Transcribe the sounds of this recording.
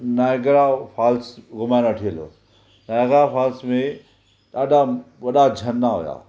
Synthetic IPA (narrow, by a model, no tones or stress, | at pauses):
naɡɾapʰaːlsɡʊmajnaʈʰiəlo̰ | naɡɾapʰaːlsmẽ | ɗaːɖaʋɐɗad͡ʒʱɐnːaɦo̰ja̰ː